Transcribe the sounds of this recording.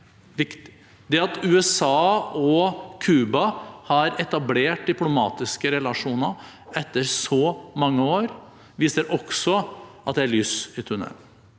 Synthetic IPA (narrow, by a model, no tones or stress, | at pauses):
ʋɪkt̪ɪ̥ | d̪ɛɑt̪ʉːɛsɑːɔkʰʉːbɑhɑɾɛt̪ɑbleːʈ̚d̪ɪplʊmɑ̰ːt̪ɪskəɾɛlɑʂuːnə | ɛt̪ːəɾsɔmɑŋːəoːɾ | ʋiːsəɾʔɔksɔʔɑt̪d̪ɛæɭyːsɪt̪ʰʉɳɛ̰l